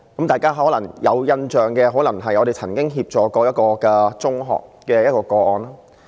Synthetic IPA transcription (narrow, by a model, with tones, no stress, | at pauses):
kɐ˦mt̪aː˨jkaː˥ɦɔː˨˥lɐ˨˩ŋjɐ˨˧wjɐ˧nt͡ʃœː˨˩ŋkɛ˧ɦɔː˨˥lɐ˨˩ŋɦɐ˨jɔ˨˧ɾe˨jt͡sʰɐ˨˩nkɪ˥ŋɦiː˧p̚t͡ʃɔː˨kɔː˧jɐ˥t̚kɔː˧kɛ˧t͡sʊ˥ŋɦɔ̰ː˨k̚kɛː˧jɐ˥t̚kɔː˧kɔː˧ɔː˧nlaː˥